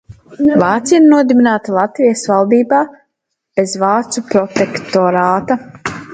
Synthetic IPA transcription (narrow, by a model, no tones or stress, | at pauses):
vaːt̪sijnuɔd̪ibinaːt̪alˠat̪vijɐsvalˠd̪iːbaː | b̥ezvaːt̪supɾɔt̪ekt̪ɔɾaːt̪a